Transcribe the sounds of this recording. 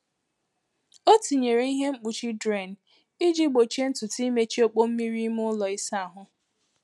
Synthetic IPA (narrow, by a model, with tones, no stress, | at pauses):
o˦ti˨ɲe˨ɾe˦i˦ɦe˦ŋ͡m̩˦k͡pu˨t͡ʃi˦dɾe˨n˨ | i˦d͡ʒi˦ɡ͡bo˨t͡ʃe˦n̩˦tʊ˨ti˦me˦t͡ʃi˦o˦k͡po˦m̩˦mi˦ɾi˦m˦ʊ˦lɔ˨i˦sa˦a˨ɦʊ˦